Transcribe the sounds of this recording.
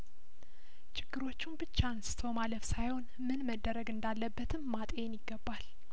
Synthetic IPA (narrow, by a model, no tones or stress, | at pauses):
t͡ʃʼʰɪɡ̥ːɨɾo̞t͡ʃːumbɨt͡ʃːanst̪ʰomaləfsajho̞n | mɨnməd̪ːəɾəɡɨnd̪alːəbːət̪ʰɨmːat̪ʼenjɪɡːəbːal